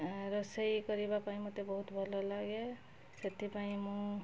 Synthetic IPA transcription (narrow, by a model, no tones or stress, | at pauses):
ɾɔsejkɔɾibapaĩmɔt̪ebɔɦut̪bʱɔlɔlaɡe | set̪ipaĩmũ